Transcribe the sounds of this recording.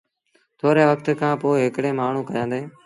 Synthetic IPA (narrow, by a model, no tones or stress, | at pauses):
t̪ʰoːɾeːʋəkʰt̪kʰãːpoːɦɪkɽẽːmaːɳ̤ũːkəjãːnd̪eː